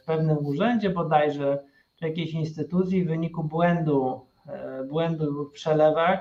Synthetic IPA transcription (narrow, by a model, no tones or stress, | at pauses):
pɛvnɘmuʐɛɲʲd͡ʑɛbɔd̪ajʐɛ | t͡ʂɨjakʲeɕinst̪ɘt̪ut̪sʲjivvɘɲikubwɛnd̪u | bwɛnd̪ufpʂɛlɛvax